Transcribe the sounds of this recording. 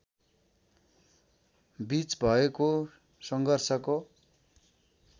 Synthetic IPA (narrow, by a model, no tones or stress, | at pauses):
bit͡sbʱʌeko | sʌŋɡʱʌrsʌko